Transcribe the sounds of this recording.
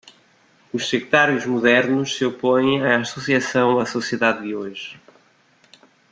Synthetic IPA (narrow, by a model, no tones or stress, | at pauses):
uʃsɨkɾɨt̪aɾjuʒmuðɛɾnuʃsɨopõj̃aːsusiɐsɐ̃w̃ɐsusieðaðːɨoʒ